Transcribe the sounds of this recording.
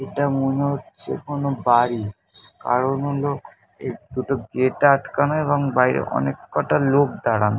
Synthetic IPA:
eʈamoneotːt͡ɕʰḛkonobaɾi | ka̰ɾonɦolo | ḛd̪uʈoɡeʈaʈkanoeβoŋbajɾḛʔɔ̰nekːɔʈalok̚d̪aɽano

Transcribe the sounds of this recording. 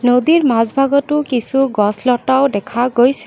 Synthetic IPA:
nodiɹmazbʱaɡɔtʊkisuɡɔslɔtawdɛkʰaɡojs

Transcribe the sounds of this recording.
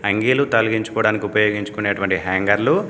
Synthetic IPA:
ɐŋɡiːlut̪ɐlɐɡiɲt͡ʃu̥kɔːɽaːnikiupɐjo̞ːɡiɲt͡ʃu̥kuneːʈuʋɐɳʈiɦɛːŋɡɐɾlu

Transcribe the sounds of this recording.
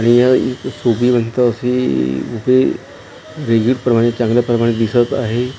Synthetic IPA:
aɽ̃ijaḭksobiʋənt̪aəseupe | ɾeɡiʈpɾəmaɽ̃et͡ɕãŋɡlapɾəmaɽ̃ed̪isət̪a̰ɦe

